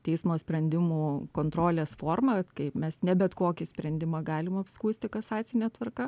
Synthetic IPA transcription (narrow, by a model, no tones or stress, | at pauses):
t̪ʲɛɪsmoːsʲpʲɾʲɛnʲd̪ʲɪmuːkoːnt̪ɾoːlʲeːsfoːrmɐkɐɪmʲɛsnʲɛbʲɛt̪koːkʲɪsʲpʲɾʲɛnʲd̪ʲɪmɐɡɑːlʲɪmɐpskuːsʲt̪ʲɪkɐsɑːsʲɪnʲeːt̪ʋɐrkɐ